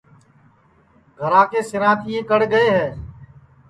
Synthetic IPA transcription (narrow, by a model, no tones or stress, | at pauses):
ɡʱəɾãːkeːsɪɾãːt̪ʰijẽːkəɽɡəeːɦɛː